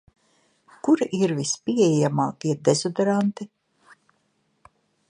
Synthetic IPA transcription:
kuɾiʔiɾvispiɛjɛjamaːkiɛd̪ezɔd̪ɾant̪i

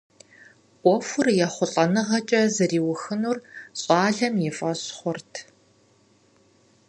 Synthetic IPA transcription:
ʔʷɔfʷʊrjɛχʷʊɬʼɐnɨʁɐt͡ʃʼɐzɨriːwʊxɨnuːrɕʼɑːɮɐmjɪfʼɐɕχʷʊrtʰ

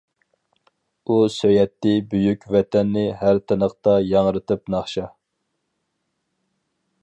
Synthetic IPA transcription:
usøjɛt̪ːɪbyjykʲvɛt̪ʰɛnːɪhæɾt̪ʰɨnəqt̪ɑjɑŋɾɨt̪ɨpnɑχʃɑ

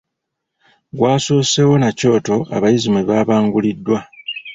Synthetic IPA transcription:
ɡwaːso̞ːse̞wo̞naco̞ːto̞ʔa̰βajizimeβaːβaːŋɡulidːwa

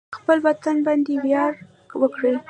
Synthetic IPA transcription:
xpəlwat̪anbɑnd̪ewjɑɾ | wəkɽə

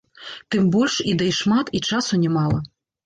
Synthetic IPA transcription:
t̪ɨmbɔlʲʂid̪ɛjʂmat̪it͡ʂasʊnʲɛmɑlˠɐ

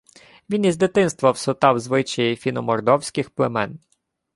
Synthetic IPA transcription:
ʋʲinizd̪ɪt̪ɪnst̪ʋɐwsʊt̪ɑwzʋɪt͡ʃɐjifʲinɔmɔrd̪ɔwsʲkɪxplˠemɛn

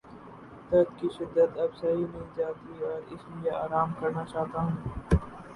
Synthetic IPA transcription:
t̪ɐt̪kiʃɪd̪ːət̪ɐbsɐɦimɪld͡ʒaːt̪iɔːɾɪslijaaːɾaːmkɐɾnat͡ʃaːt̪aɦɛ̃ː

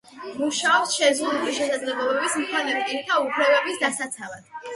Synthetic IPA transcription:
muʃaɔpsʃɛzʁud̪uliʃɛsad̪zlɛblˠɔbɛbismkʰanɛɾɛɾt̪ʰaupʰlɛbɛbisd̪asat̪sʰalad̪̥̚

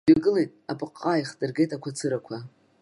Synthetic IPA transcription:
aɡɨle̞jtʼapʼɨqʼːaiχdɨrɡe̞jtʼakʷʰat͡sʰɨɾakʷʰa

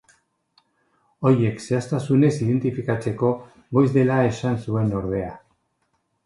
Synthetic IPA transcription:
o̞ɾje̞kse̞ast̪asune̞siðe̞nt̪ifikat͡se̞ko̞ | ɣo̞jzðe̞lae̞sansue̞no̞ɾðe̞a

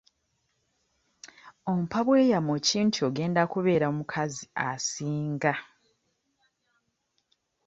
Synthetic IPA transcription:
o̞m̩paβwe̞ːjamociːntʰuoɡe̞ːndakuβe̞ːɾaomukʰaziasiːŋɡa

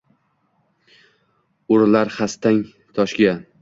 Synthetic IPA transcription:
ʊɾlaɾχast̪aŋ | t̪ʰɒʃɡʲa

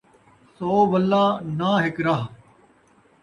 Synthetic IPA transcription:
soːʋəlːaːnaːɦɪkɾaɦ

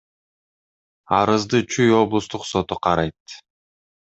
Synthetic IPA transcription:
ɑɾɯzd̪ɯt͡ʃʰyjo̞blˠust̪uqso̞t̪uqʰɑɾɑjt̪

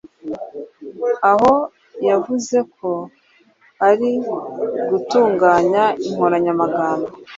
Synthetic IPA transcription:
aho̞ | javuze̞kʰo̞ | aɾi | ɡutuːŋɡaːɲaiŋ̥hoɾaɲamaɡaːmbo

